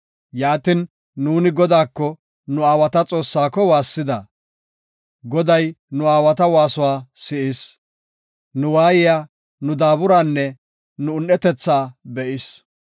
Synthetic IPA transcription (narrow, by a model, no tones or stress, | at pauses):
jaːt̪ɪnː | uːnɪɡɔd̪aːkːɔ | nʊaːwɐt̪ɐt͡sʼo̞ːsːaːkːɔwaːsːɪd̪ɐ | ɡɔd̪ɐjnʊaːwɐt̪ɐwaːsʊwaːsɪʔɪs | nʊwaːjɪjaː | nʊd̪aːbʊɾaːnːɛ | nʊːnːɛt̪ɛt͡sːaːbɛʔɪs